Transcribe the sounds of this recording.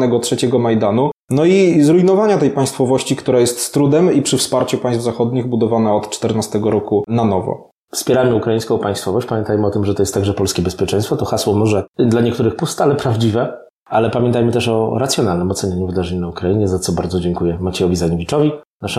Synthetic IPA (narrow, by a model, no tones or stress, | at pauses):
nɛɡɔtʂɛt͡ɕɛɡɔmajd̪anunɔizɾujnɔvaɲat̪ɛjpaj̃st̪fɔvɔɕt͡ɕikt̪uɾajɛst̪st̪ɾud̪ɛmipʂɘfspaɾt͡ɕupaj̃svzaxɔd̪ɲiɣbud̪ɔvanaɔt̪t͡ʂt̪ɛɾnast̪ɛɡɔɾɔkunanɔvɔ̰ | fspʲjɛɾajmɘukɾaĩskɔ̃w̃paj̃st̪fɔvɔɕt͡ɕpamʲjɛnt̪ajmɘɔt̪ɘmʐɛt̪ɔjɛst̪ːaɡʐɛpɔlskʲɛbɛspʲjɛt͡ʂɛjst̪fɔt̪ɔxaswɔmɔʐɛd̪laɲɛkt̪uɾɘxpust̪alɛpɾavd͡ʑivɛ | alɛpamʲɛ̃nt̪ajmɘt̪ɛʂɔɾat̪sʲjɔnalnɘmɔt̪sɛɲaɲuvɘd̪aʐɛɲunaukɾaiɲɛzat̪sɔbaɾd̪zɔd͡ʑɛŋkujɛmat͡ɕɛjɔvʲizaɲɔvʲit͡ʂɔvʲinaʂɛ